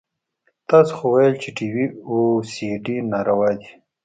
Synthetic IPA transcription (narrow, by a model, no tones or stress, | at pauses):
t̪ɑːsoxowajəlt͡ʃeʈiwiosiɖinaɾawaːd̪i